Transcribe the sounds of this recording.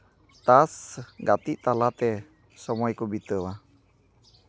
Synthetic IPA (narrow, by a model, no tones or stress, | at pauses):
t̪asɡat̪iʔt̪alat̪ɛ | səmɔikubit̪əwa